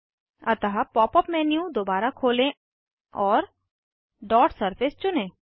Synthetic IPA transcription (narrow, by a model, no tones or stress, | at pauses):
ɐt̪əɦapɔːpɔpmɛːnjũd̪oːbaːɾakʰoːlẽ | ɔːɾ | ɖɔːʈsəɾpʰɪst͡ʃʊnẽː